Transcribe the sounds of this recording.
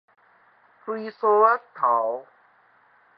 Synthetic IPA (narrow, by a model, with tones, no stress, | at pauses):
fʰɾiː˧soː˧a˦˥st̪ʰa˩˦w